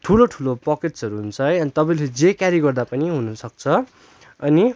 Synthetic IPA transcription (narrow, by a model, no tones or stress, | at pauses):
ʈʰuloʈʰulopʌketʌɾuɦunt͡sʰʌjʌnit̪ʌpãĩled͡zekaɾjiɡʌrd̪apʌniɦunʌsʌk̚t͡sʰʌ | ʌni